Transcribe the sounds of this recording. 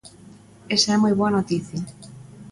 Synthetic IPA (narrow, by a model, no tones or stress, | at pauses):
esɐɛmojβ̞oɐnot̪iθja